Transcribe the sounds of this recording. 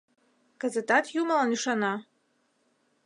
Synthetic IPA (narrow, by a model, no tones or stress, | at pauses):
kə̆zə̆t̪ɑt̪juməlˠɑniʃɑnɑ